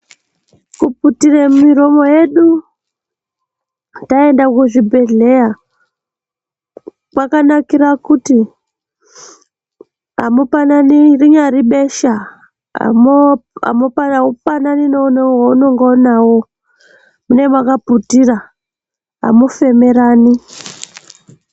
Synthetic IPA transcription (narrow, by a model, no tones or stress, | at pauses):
kuputiremumiɾo̞mo̞je̞ɗu | taendakuʐibʱe̞ɮe̞ja | kwakanakiɾakuti | a̰mupananiriɲaɾiɓe̞ʃa̰ | moa̰mopaaupananinounowauno̞ŋɡoːnawo̞ | mune̞mwakaputira | ɦa̰mufe̞me̞ɾaːni